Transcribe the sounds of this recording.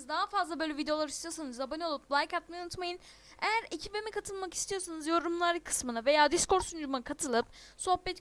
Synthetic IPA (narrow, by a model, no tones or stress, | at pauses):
zd̪aɦafazlˠabøjlʲɛvid̪eoaɾist̪ijosanɯzlabanɯjo̞lˠup̚blˠajkat̪̚majunut̪majɯn | ejæɾe̞cʰibemikʰat̪ʰɯlˠmaki̥st̪ʰijo̞ɾsanɯzjo̞ɾumlˠaɾkʰːɯ̥smɯnave̞jaːd̪isko̞ɾsund͡ʒumakʰat̪ʰɯlˠɯpso̞hpɛt̪